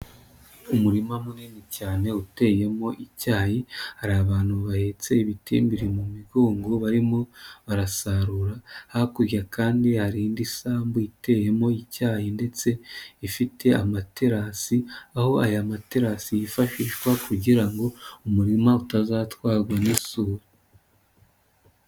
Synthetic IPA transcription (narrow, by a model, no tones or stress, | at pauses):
umuɾimamuninicaːne̞ute̞ːje̞mo̞ʔicaːhihaɾaβaːn̥huβahe̞ːt͡se̞iβitʰḭːmbiɾimumiɡoːŋɡoβaɾimo̞βaɾasaɾuɾahaakuɾjakʰaːndihaɾindisaːmbuite̞ːje̞mo̞icaːhinde̞t͡se̞ifitʰe̞amateɾasiaho̞ajamateɾasijifaʃiʃwakuɟiɾaŋɡo̞umuɾimautazaːtwaːɾɡwanisuːɾu